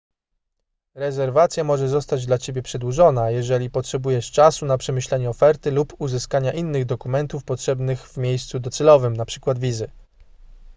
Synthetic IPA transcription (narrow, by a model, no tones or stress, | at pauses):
ɾɛzɛɾvat̪sʲjamɔʐɛzɔst̪ad͡ʑd̪lat͡ɕebʲjɛpʂɛd̪wuʐɔnajɛʐɛlʲipɔtʂɛbujɛʂt͡ʂasunapʂɛmɘɕlɛɲɛɔfɛɾt̪ɘlupuzɘskaɲaʔinːɘɣd̪ɔkumɛnt̪ufpɔtʂɛbnɘɣvmʲjejst̪sud̪ɔt̪sɛlɔvɘmnapʂɘ̥kwad̪vʲizɘ